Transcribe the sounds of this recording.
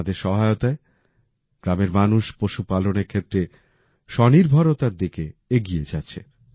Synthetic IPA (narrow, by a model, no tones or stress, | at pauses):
d̪eɾʃɔɦaeot̪ae | ɡ̥ɾameɾmanuʃpoʃupaloneɾkʰet̪ːɾe | ʃɔniɾbʱaɾot̪aɾd̪ikeeɡied͡ʑatːɕʰe